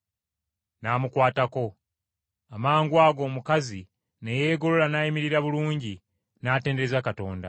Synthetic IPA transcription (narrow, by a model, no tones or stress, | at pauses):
naːmukwaːtako̞ | amaːŋɡwaːɡo̞ːmukazi | nejeːɡo̞lolanajimiɾiɾaβuluːɲɟi | naːte̞ːndeezakato̞̰ːnda̰